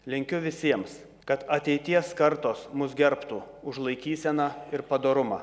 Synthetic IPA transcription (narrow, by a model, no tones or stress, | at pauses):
lʲɪŋʲkʲʊʋʲɪsʲiɛms | kɐt̪ɐt̪ʲɛɪt̪ʲiɛskɐɾt̪oːsmʊsɡʲɛɾpt̪uː | ʊʒlˠɐɪkʲiːsʲɛnɐɪɾpɐd̪oːɾʊmɑ̰ː